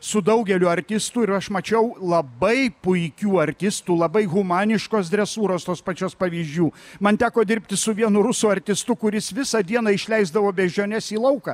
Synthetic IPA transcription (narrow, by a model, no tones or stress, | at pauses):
sʊd̪ɐʊɡʲɛlʲʊɐɾʲt̪ʲɪst̪uːɪɾɐʃmɐt͡ʃʲɛʊlˠɐbɐɪpʊɪkʲuːɐɾʲt̪ʲɪst̪uːlˠɐbɐɪɣʊmɑːnʲɪʃkoːsd̪ʲɾʲɛsuːɾoːst̪oːspɐt͡ʃʲoːspɐʋʲiːʒʲd͡ʒʲuːmɐnt̪ʲæːkoːd̪ʲɪɾʲpʲt̪ʲɪsʊʋʲiɛnʊɾʊsuːɐɾʲt̪ʲɪst̪ʊkʊɾʲɪsʋʲɪsɐd̪ʲiɛnɐɪʃʲlʲɛɪzd̪ɐʋoːbʲɛʒʲoːnʲɛsiːlˠɐʊkɐ